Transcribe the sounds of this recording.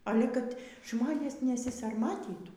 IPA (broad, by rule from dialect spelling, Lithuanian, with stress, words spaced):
ˈɑːlʲɛ kɐt ˈʒmoːnʲeːs nʲɛsʲɪsɐrˈmɑːtʲiːtuː